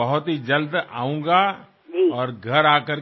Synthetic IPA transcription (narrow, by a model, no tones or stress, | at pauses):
ɐɦʊt̪ɦid͡ʒɐld̪a̰ːũːɡa | ɔːɾɡʱɐɾaːkəɾ